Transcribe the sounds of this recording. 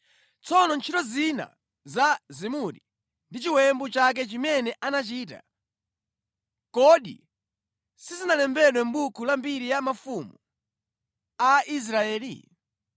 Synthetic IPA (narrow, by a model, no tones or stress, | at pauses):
t͡sʰɔnɔnt͡ʃʰitɔzina̰ | zazimuɾi | ndit͡ʃiwɛmbɔt͡ʃak̬ɛt͡ʃimɛnɛʔanat͡ʃiːta̰ | kɔɗḭ | sizinalɛmbɛɗwɛm̩ɓukʰulambiɾijamafumu | aʔis̬ɾaɛːlḭ